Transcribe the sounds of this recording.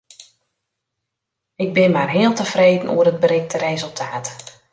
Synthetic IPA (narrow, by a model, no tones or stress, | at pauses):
ɪɡ̚bɪnmarɦɪːəlˠtəfreːdən̩ʔṵərəd̚bəɾɪxtəɾezəlˠtʰaːt